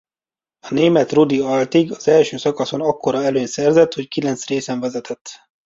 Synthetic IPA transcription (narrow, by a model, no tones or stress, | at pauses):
ɒneːmɛt̪rud̪iɒlt̪iɡɒz̥ɛlʃøːsɒkɒso̞nɒkːo̞ɾɒɛløːnsɛrzɛt̪ho̞ckilɛnt̪sreːsɛɱvɛzɛt̪ʰɛt̪ː